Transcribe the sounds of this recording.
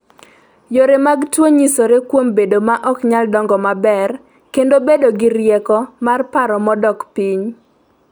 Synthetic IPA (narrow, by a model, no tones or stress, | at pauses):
joɾemaɡtwoɲisoɾekwombedomaʔɔkɲaldɔŋɡɔmabɛr | kendobedoɡɪɾjɛkɔmarpaɾɔmɔdɔkpiɲ